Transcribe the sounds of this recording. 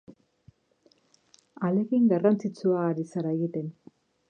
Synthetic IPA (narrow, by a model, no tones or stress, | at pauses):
ale̞kiŋɡarant͡sit͡suaːɾisaɾaeɣit̪e̞n